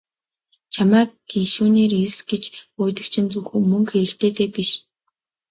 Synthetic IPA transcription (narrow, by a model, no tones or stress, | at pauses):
t͡ɕʰamæːɡinʃuːneːresɡet͡ɕʊːjt̪ə̆kt͡ɕʰɪ̆nt͡suwxuːmɵŋkxeɾɘ̆ɬt̪eːt̪eːpiʃ